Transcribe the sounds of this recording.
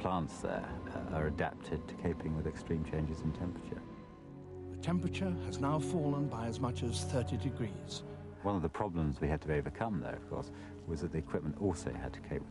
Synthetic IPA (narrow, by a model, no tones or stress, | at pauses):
pʰl̥ɑ̃ˑntsðə̰ɹə˞ɨdæ̰p̚tʰɪd̚tʰə̥kʰeɪpʰɪ̃ŋwɪðɨkstɹ̥ĩmt͡ʃʰẽɪ̃nd͡ʒɪz̃n̩tʰɛ̃mpɹ̥ət͡ʃə̰˞ | ðɨtʰɛ̃mpɹɨt͡ʃə˞ɨznaʊfɔlˠə̃nbaɪəzmʌt͡ʃɨz̥θɜ˞ɾidɨɡɹiːz̥ | wʌ̃nʌvðəpʰɹ̥ɑblə̃mzwiɨd̚tʰəioʊvəkʰʌ̃mðə̰ʊʌ̰v̥kʰɔ̰ˑɹs | wʌzðɨt̪ðiɨkʰw̥ɪp̚mə̃ntɔˑlˠsəʊɨ̰d̚tʰə̥kʰeɪp̚